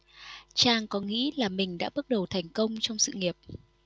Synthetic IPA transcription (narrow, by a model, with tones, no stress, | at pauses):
t͡ɕaː˧ŋkɔ˨˦ŋḭ˧˥laː˨˩mï˨˩ŋ̟ɗa̰ː˧˥ɓə˦˥ək̚ɗə˨˩wt̪ʰa˨˩jŋ̟kə˧wŋ͡mt͡ɕɔ˧wŋ͡msɨ̰˧˨ŋi˨˩əp̚